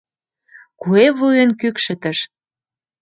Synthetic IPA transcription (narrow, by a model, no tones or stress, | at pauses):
kueβujənkykʃə̆t̪ə̆ʃ